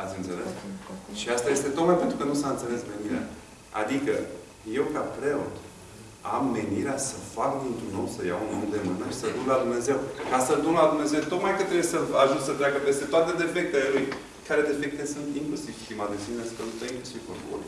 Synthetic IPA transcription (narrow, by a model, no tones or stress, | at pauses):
at̪sʲɨnt̪se̞le̞sʃiast̪aje̞st̪e̞t̪o̞k̪majpe̞nt̪ɾukənusaɨnt̪se̞le̞sme̞niɾea̰ | a̰d̪ikə̰ | je̞wkapɾe̞o̞̰t̪ | amːe̞niɾeasəfak̚d̪int̪ɾunːowsəja̰unond̪e̞mɨnəʃi̥səd̪unlad̪umne̞ze̞wkasəd̪unlad̪umneze̞wt̪o̞k̪majkət̪ːɾebujesəaʒut̪sət̪ɾʲaɡəpe̞st̪e̞t̪oat̪e̞d̪e̞fe̞k̚t̪ele̞luj | kaɾe̞d̪e̞fe̞k̚t̪esunt̪iŋklusiv̥st̪imad̪esinenskənust̪aiŋklusiv̥porbṵl